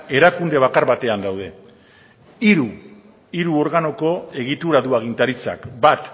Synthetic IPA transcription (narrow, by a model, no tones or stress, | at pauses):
e̞ɾakund̪e̞β̞akaɾβat̪e̞and̪awð̞e̞ | iɾu | iɾuo̞ɾɣano̞ko̞e̞ɣ̞it̪uɾaðuaɣ̞int̪aɾit͡sa̰kbat̪